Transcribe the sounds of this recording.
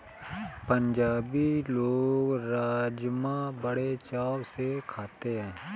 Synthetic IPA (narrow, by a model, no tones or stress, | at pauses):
pə̃ɲd͡ʒaːbiloːɡɾaːd͡ʒmãbəɽet͡ʃaːwsekʰaːt̪eɦɛ̃ː